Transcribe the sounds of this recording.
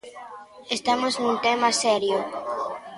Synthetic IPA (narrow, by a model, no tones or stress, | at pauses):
est̪amoznũnt̪ɛmasɛɾjʊ